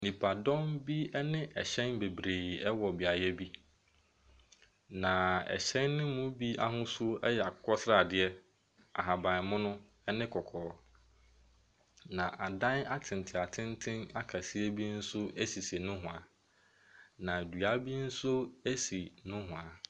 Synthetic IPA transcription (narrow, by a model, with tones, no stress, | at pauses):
nĩ˨pʰa˨dɔ̃˦mbi˦ɛ˦nɪ̃˦ʔɛ̰˨ɕɛ̃˦nbe˨bɾeː˨ɛ˦wɔ˨bi˨a˨jɛ˦bi˦ | nã˨ɛ̰˨ɕɛ̃˦nːʊ̃˦mʊ̃˦bi˦a̰˦ɦʊ̃˦sʊ˦ʔɛ˦jɛ˨a˨kʰɔ˦sɾa˨dɪ˨ɛ˦ | a̰˨ɦa˨bã˨mʊ̃˦nʊ̃˦ | ɛ˦nɪ̃˦kʰɔ˨kʰɔː˨˦ | nã˨ʔa˨dã˦na˦tʰɪ̃˨n˨tʰɪ˨a˨tʰɪ̃˦ntʰɪ̃˦na˦kʰa˨si˦e˦bi˦n̩˦sʊ˦e˦si˨se˨nʊ̃˦ɦʊ̃˨a˨ | nã˨du˨a˦bi˦n̩˦sʊ˦e˦si˨nʊ̃˦ɦʊ̃˨a˨